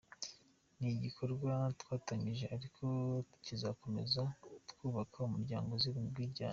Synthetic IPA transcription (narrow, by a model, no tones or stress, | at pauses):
niɟikʰo̞ɾɡwatwaːtaɲiʒe̞aɾikʰo̞cizako̞me̞̰zatkuːβakʰaumuɾɟa̰ːŋɡo̞ziβimubɡwiːɟa̰ːɲ